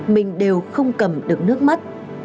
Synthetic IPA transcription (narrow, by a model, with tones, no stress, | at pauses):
mï˨˩ŋ̟ɗe˨˩wxə˧wŋ͡mkə˨˩mɗɨ˨˩ək̚nɨ˦˥ək̚ma˦˥t̚